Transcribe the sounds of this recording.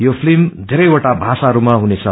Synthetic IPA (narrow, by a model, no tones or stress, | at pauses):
jopʰlimd̪ʱeɾʌjoʈabʱasaɦʌɾumaɦunet͡sʰʌ